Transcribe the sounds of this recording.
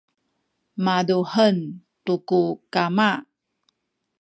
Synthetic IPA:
maduhəntukukama

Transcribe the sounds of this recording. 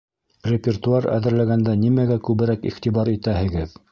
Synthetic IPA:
rʲɪpʲɪrt̪uɑɾæ̰ðɘ̆ɾlæɡænd̪ænimæɡækʉβɘ̆ɾækiχt̪ibɑɾit̪æɦɘ̆ɡɘð

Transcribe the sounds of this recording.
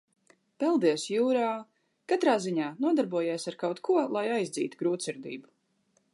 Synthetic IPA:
pɛlˠd̪iɛsjuːɾaː | kat̪ɾaːziɲaːnuɔd̪aɾbuɔjiɛsaɾkawt̪kʰuɔlˠajajzd̪zḭːt̪uɡɾuːt̪siɾd̪ḭːbu

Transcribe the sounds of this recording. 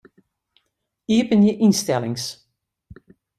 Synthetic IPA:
iəpənjəʔinstɛlɪŋs

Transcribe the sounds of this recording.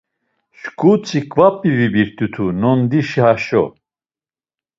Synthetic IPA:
ʃkʰʼut͡sʰʼikʼvapʼːivibiɾt̪ʼut̪ʰunɔnd̪iʃiɦaʃɔ̰

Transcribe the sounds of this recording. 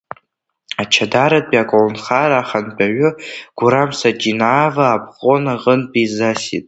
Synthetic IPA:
at͡ʃʰadaɾatʼpʼiakʼolnχaɾaːχanpʰʼaɥʷʊɡ̥ʷʊɾamsad͡ʒinaːvaːpʰχʼonaʁʼənpizasḭtʼ

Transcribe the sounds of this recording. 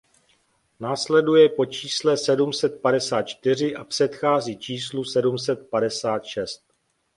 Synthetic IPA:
naːslɛdujɛpo̞t͡ʃiːslɛsɛdumsɛt̪̚padɛsaːt̪̚t͡ʃt̪ɪr̝ɪʔapr̝̥ɛt̪xaːziːt͡ʃiːslusɛdumsɛt̪̚padɛsaːt̪ʃɛst̪̚

